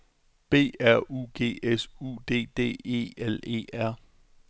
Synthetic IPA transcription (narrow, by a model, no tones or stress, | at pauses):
b̥e̝̰ːæɐ̰ṵːɡ̥e̝̰ːesṵd̥e̝̰ːd̥e̝̰ːe̝̰ːele̝̰ːæɐ̰